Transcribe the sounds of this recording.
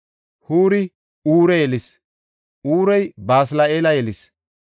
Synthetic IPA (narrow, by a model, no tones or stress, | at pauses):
huːɾɪ | uːɾɛjɛlɪs | ʔuːɾɛjbaːs̬laeːlɐjɛlɪs